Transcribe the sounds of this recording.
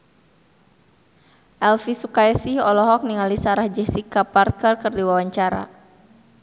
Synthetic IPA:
ʔɛlfisukaɛsihɔlɔɦɔk̚niŋalisaɾahd͡ʒɛsikaparkərkərdiwawaɲt͡ʃaɾa̰

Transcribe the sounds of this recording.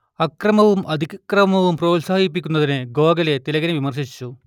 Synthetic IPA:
ɐkrɐmɐʋumʔɐd̪ʱikrɐmɐʋumproːlsaːɦip̬ːikʲːunːɐðinɨɡoːɡɐle̞t̪ilɐɣɐneʋimɐrʂit͡ɕːu

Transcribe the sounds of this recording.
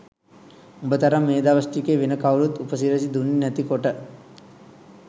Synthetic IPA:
ubət̪aɾamːeːd̪aʋəsʈikeːʋenəkaʋuɾut̪upəsiɾəs̬id̪unːinæt̪ikoʈə

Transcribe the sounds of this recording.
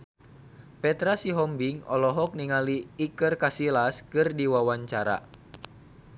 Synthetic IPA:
pɛt̪ɾasiɦɔmbiŋɔ̰lɔɦɔk̚niŋaliːkɨrkasilaskɨrdiwawaɲt͡ʃaɾa̰

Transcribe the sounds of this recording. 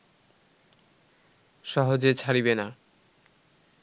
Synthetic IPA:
ʃɔɦod͡ʑet͡ɕʰaɾibena

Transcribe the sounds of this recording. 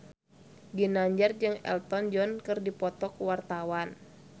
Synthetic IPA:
ɡinaɲd͡ʒard͡ʒɨŋɛ̰lt̪ɔnd͡ʒɔnkɨrdipɔt̪ɔkuwart̪awan

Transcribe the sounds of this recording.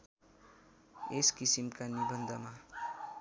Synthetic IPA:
eskisimkanibʌnd̪ʱʌma

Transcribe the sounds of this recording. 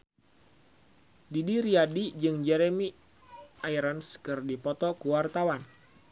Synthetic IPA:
didiɾiadid͡ʒɨŋd͡ʒɛɾɛmi | aiɾanskɨrdipɔt̪ɔkuwart̪awan

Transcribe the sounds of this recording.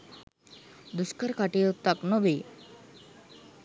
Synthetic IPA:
d̪uskəɾkaʈiut̪ːaknobi

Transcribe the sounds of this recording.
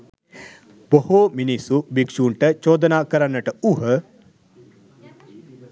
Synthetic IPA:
bohominisubikʂuːɳʈɐt͡ʃoːd̪ɐnaːkɐɾɐnːɐʈɐuɦɐ

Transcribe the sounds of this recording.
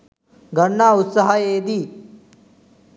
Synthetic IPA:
ɡʱɐɳːaːut̪sɐɦɐeːd̪i

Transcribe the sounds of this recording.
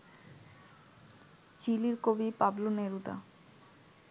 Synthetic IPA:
t͡ɕiliɾkobipabloneɾut̪a̰

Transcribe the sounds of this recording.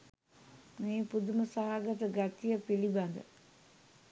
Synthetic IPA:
meːpud̪uməsaɦaɡət̪əɡat̪ijəpiliband̪ə̰

